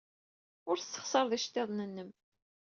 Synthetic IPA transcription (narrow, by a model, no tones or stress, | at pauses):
ʊɾθt͡sːə̥χsəɾðiʃt̪ːeðˤnənːəm